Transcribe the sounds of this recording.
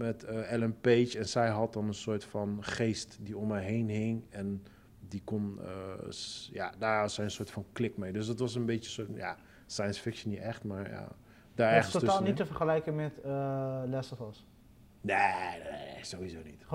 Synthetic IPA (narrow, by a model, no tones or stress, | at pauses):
mɛtəɛlɛmpejt͡ʃɛnsɛjɦɑt̚dɑnənsoːɹtfɑnχeːstdiɔmɛjɦejnɦɪŋɛn | dikɔnə̰ | ja̰daːɹtsɛjənsoːɹtfɑnklɪkmejdøs̬dɑtʋɑs̬ənbejəsoja̰ | sajənsfɪkʃənitɛχtmaːɹja̰ | daːɹɛətotaːlˠnitəfəɹχəlɛjkənmɛtəlɛsəfɔs | neezowɦizoːnit